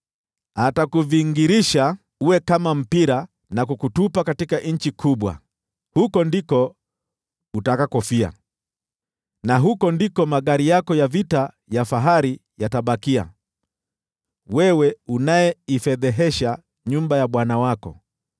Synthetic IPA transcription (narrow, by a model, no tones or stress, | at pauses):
hatakuviŋɡiɾiʃa | uwɛkamam̩piɾa | nakukutupakatikaʔɲ̩t͡ʃikʰuɓwa̰ | hukɔndikɔ | utakakɔfia̰ | naɦukɔndikɔmaɠaɾijakɔjavita | jafaɦaɾi | jataɓakia̰ | wɛwɛunajɛifɛðɛɦɛʃa | ɲumbajaɓwanawakɔ̰